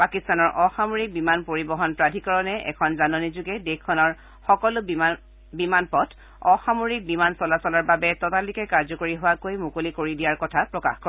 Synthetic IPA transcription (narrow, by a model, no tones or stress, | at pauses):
pakistanɔɹʔɔxamoɹik̚bimanpoɹibɔɦɔnpɹadʱikɔɹɔnɛʔɛ̰kʰɔnzanɔnizuɡɛdekʰːɔnɔɹ | xɔkɔlʊ | bimanpɔtʰ | ɔxamoɹik̚bimansɔlasɔlaɹbabɛtɔtalikɛkaɹzɔkoɹiɦʊwakojmukolikoɹidijaɹkɔtʰapɹɔka̰xkɔ